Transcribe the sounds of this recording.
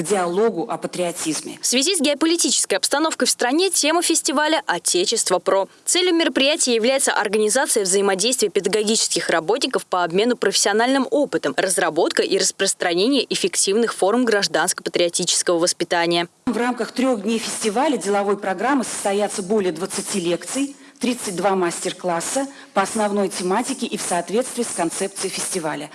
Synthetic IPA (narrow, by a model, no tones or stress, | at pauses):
ɡdʲɪɐlˠo̞ɡʊʔɐpət̪ɾʲɪɐtʲizmʲɪ̰fsvʲɪzʲisɡʲɪɐpəlʲɪtʲit͡ɕɪ̥skəjɐpst̪ɐno̞fkəjfst̪ɾɐnʲe̞tʲe̞məfʲɪsʲtʲɪvalʲəʔɐtʲet͡ɕɪst̪vəpɾo̞t̪sɛlʲjʊmʲɪɾəpɾʲɪjætʲɪjəjɪvlʲæjɪt̪sə̰ʔɐrɡənʲɪzat̪sɨjəvzəɪmɐdʲejst̪vɪjəpʲɪd̪əɡɐɡʲit͡ɕɪ̥skʲɪxrɐbo̞tʲnʲɪkəfpəɐbmʲe̞nʊpɾəfʲɪ̥sʲɪɐnalʲnɨmo̞pɨt̪əmrəzrɐbo̞t̪kəʔiɾəspɾəst̪ɾɐnʲenʲɪjəʔɪfʲɪktʲivnɨxfo̞rmɡɾɐʐd̪anskə̥pət̪ɾʲɪɐtʲit͡ɕɪ̥skəvəvəspʲɪt̪anʲɪjəmvramkəxt̪ɾʲo̞ɣdʲnʲejfʲɪsʲtʲɪvalʲədʲɪlˠɐvo̞jpɾɐɡɾamːɨsə̥st̪ɐjat̪səbolʲɪjəd̪vət̪sɨtʲilʲe̞kt̪sɨj | t̪ɾʲit̪sɨt̚ʲd̪vamasʲtʲɪrklˠasːə | pəɐsnɐvno̞jtʲɪmatʲɪkʲɪʔifsɐːt̪vʲe̞t̪st̪vʲɪːskɐnt̪sɛp̚t̪sɨjfʲɪsʲtʲɪvalʲə